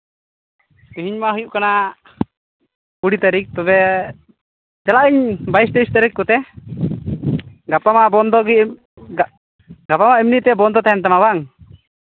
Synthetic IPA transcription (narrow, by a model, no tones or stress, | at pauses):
piɦiɲmaɦujuʔkana | puɽit̪aɾik̚t̪ɔbɛ | d͡ʒalaʔiɲbajstest̪aɾikːɔt̪ɛ | ɡapamabɔnd̪ɔɡi | ɡapamaʔimnit̪ɛbɔnd̪ɔt̪aɛnt̪amabaŋ